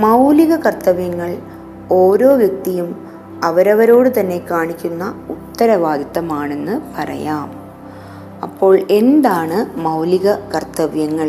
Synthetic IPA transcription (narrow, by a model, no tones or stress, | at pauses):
mɐwliɣɐkɐrt̪ɐʋjɐŋːɐɭ | oːɾo̞ːʋjɐk̚t̪ijum | ɐʋɐɾɐʋɐɾo̞ːɽɨt̪ɐnːe̞kaːɳikʲːunːɐut̪ːɐɾɐʋaːd̪it̪ːɐmaːɳe̞nːɨpɐrɐ̰jaːm | ɐ̰pːo̞ːɭe̞nd̪aːɳɨmɐwliɣɐkɐrt̪ɐʋjɐŋːɐɭ